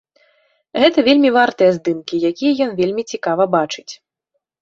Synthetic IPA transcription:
ɣɛt̪ɐvʲelʲmʲivart̪ɨjɐzd̪ɨmkʲijakʲijɐjɔnvʲelʲmʲit͡sʲikavɐbat͡ʂɨ̥t͡sʲ

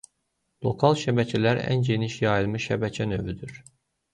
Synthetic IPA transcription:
lˠo̞kʰɑlˠʃæbæcʰælæɾæ̰nɟe̞niʃjɑjilˠmɯʃʃæbæcʰænø̞vyd̪yɾ

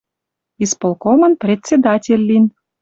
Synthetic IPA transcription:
ispolˠkomənprʲet̪ʲt͡sʲed̪ɑtʲelʲːin

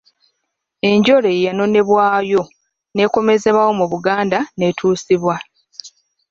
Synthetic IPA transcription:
e̞ɲɟo̞ɾe̞jano̞ne̞βwaːjo̞ | ne̞ːko̞me̞ze̞βawo̞muβuɡaːndane̞tʰuːsiβwa

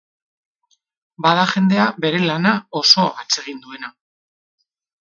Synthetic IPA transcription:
baðaʝe̞nd̪e̞abe̞ɾe̞lanao̞so̞at͡se̞ɣ̞ind̪ue̞na

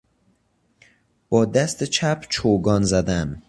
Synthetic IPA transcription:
b̥ɒːd̪æst̪et͡ʃʰæpʰt͡ʃʰoːɡɒːnzæd̪æm

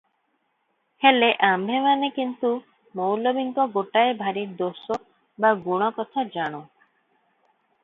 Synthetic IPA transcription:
heleʔambʱemanekint̪u | mowlɔbiŋkɔɡoʈaebʱaɾid̪osɔ | baɡuɽ̃ɔkɔt̪ʰad͡ʒaɽ̃u

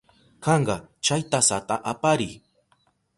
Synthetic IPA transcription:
kɑɴɢɑt͡ʃajt̪asat̪aʔapaɾɪ

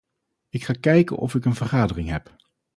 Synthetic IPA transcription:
ɪkχaːkɛjkə̰nʔɔ̰fɪkənvərχaːdərɪŋɦɛp

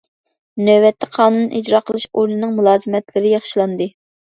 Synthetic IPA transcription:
nøwɛt̪ʰːɛqʰɑːnunːʔid͡ʒɾɑqʰəlˠɨʃoɾlˠɨnɨŋmulˠɑːzɨmɛt̪lɪɾɪjɑχʃilˠɑnd̪ɨ

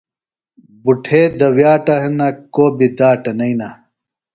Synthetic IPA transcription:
buʈʰed̪ɐwjaːʈɐɦenɐkoːbid̪aːʈɐnɐjna

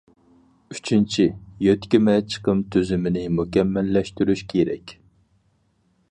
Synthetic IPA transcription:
yt͡ʃʰint͡ʃʰijøt̪kʲimɛt͡ʃʰə̥qəmt̪ʰyzymɪnɪmukʲɛmːɛlːɛʃt̪yɾyʃkʲʰeɾɛ̰kʲ

